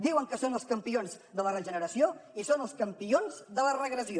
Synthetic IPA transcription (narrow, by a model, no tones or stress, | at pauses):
d̪iwəŋkəsonəlˠskəmpionz | d̪ələrəʒənəɾəsioisonəlˠskəmpionzðələrəɣɾəzio